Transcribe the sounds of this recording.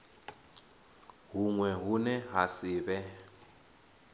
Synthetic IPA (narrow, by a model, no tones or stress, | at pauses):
ɦuŋwɛɦunɛɦasiːβɛ